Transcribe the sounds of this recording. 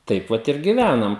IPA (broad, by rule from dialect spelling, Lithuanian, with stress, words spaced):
ˈtɐɪp ʋɐt ɪr ɡʲɪˈʋʲænɐm